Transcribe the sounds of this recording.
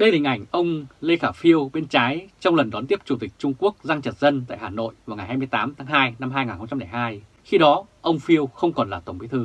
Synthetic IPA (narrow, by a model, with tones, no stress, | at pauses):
ɗə˧jhi˨˩ŋ̟ʔa˧˩jŋ̟ʔə˧wŋ͡mle˧xaː˧˩fi˧əwɓe˧nt͡ɕaː˨˦jt͡ɕɔ˧wŋ͡mlə˨˩nɗɔ˨˦nt̪i˦˥əp̚t͡ɕu˧˩t̪ï˨˩k̚t͡ɕʊ˧ŋ͡mku˦˥ək̚za˧ŋt͡ɕə˨˩t̚zə˧nt̪a̰ː˧˨jhaː˨˩no̰˧˨jvaː˨˩wŋa˨˩jhaː˧jmɨ˧əjt̪aː˨˦mt̪ʰaː˨˦ŋɦaː˧jna˧mɦaː˧jŋaː˨˩nxə˧ŋ͡mt͡ɕa˧mna˧˩jhaː˧j | xi˧ɗɔ˨˦ʔə˧wŋ͡mfi˧əwxə˧wŋ͡mkɔ˨˩nlaː˨˩t̪o˧˩ŋ͡mɓi˨˦t̪ʰɨ˧